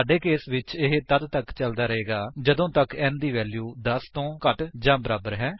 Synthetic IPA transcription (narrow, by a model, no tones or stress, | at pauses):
aːɖeːkeːsʋɪt͡ʃɪɦt̪əd̪t̪əkt͡ʃəld̪aːɾəɦeːɡaːd͡ʒəd̪õːt̪əkɛːnd̪iːʋɛːljuːd̪əst̪õːkəʈd͡ʒãːbəɾaːbəɾɦɛː